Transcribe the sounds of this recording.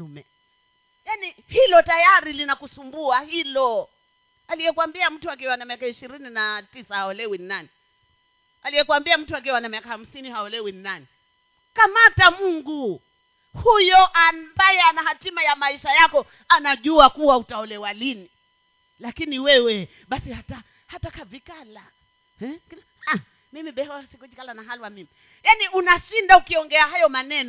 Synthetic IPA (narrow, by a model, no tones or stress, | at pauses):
mɛ | jani | hilɔtajaɾilinakusumbuahilɔ | alijɛkwambiam̩tuak̬iwanamiakaiʃiɾininatisahaɔlɛwinnani | alijɛkwambiam̩tuak̬iwanamiakaham̩sinihaɔlɛwinnani | kamatamuŋɡu | hujɔʔambajɛanaɦatimajamaiʃajakɔ | anaʄuakuwautaɔlɛwalini | lakiniwɛwɛ | ɓasihata | hatakavikala | hɛkn | a | mimiɓɛhsikɔd͡ʒikalanaɦalwamimi | janiʔunaʃindaukiɔŋɡɛahajɔmanɛnɔ